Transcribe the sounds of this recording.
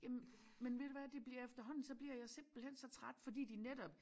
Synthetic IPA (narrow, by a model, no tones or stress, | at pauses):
jæmmenʋe̝d̥eʋæːɐd̥e̝b̥liɐefd̥ɐɦɒ̽n̰n̩sɒ̽b̥liɐ̰jɑ̈ɪse̝m̰b̥l̩hen̰sɒ̽t͡sʰʁad̥fɒ̽d̥ḭːd̥ined̥ɒ̽b̥